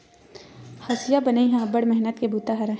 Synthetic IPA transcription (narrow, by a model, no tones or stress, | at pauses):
hɐsɪjabənaiɦãbəɽmɛɦnət̪kebʱuːt̪aɦɐɾã